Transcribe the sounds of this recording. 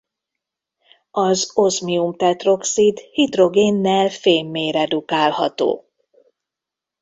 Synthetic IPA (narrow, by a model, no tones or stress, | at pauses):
ɒzozmiumt̪ɛt̪ro̞ksid̪hid̪ro̞ɡeːnːɛlfeːmːeːɾɛd̪ukaːlɦɒt̪o̰ː